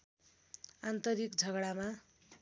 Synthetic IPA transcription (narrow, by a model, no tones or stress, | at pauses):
ant̪ʌɾikd͡zʱʌɡɽama